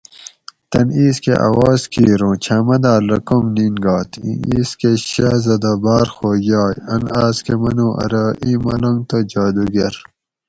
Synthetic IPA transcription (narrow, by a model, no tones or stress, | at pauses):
t̪ɐniːskḛʔa̰ːwaːzkʰiːɾõːt͡ɕʰamɐd̪aːlɐkomninɡaːt̪ḭiːskeɕaːzɐd̪abaːɾxoːjaːjɐnaːskemɐnũːʔɐ̰ɾɐːʔiːmɐlɐŋt̪od͡ʑaːd̪uɡeɾ